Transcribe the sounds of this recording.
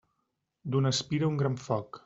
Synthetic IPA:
d̪unəspiɾəuŋɡɾaɱfɔk

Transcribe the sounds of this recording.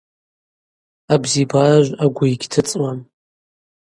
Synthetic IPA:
abzibaʒʷaɡʷʊiɡʲtʰɨt͡sʼwam

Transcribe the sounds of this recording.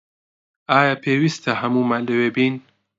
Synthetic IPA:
aːjapʰeːwist̪ʰɐɦɐmuːmanlɐweːbiːn

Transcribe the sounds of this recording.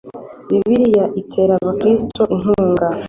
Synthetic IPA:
βiβiɾijaʔitʰe̞ɾaβakɾistʰoʔiŋuːŋɡa

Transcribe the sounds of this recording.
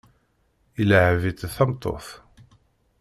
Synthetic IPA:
iləʕvit̪θɑmt̪ˤːo̰θ

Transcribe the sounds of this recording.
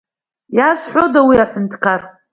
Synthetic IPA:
jasħʷodawiaħʷʊntʰkʰar

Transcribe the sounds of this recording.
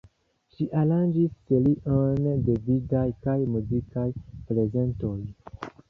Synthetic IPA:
ʃiʔaland͡ʒisteliʔondevidajkajmuzikajple̞ze̞nto̞j

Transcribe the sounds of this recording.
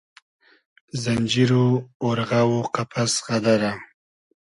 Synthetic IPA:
zanʲd͡ʒiɾooɾɣawoqapʰasʁad̪aɾa

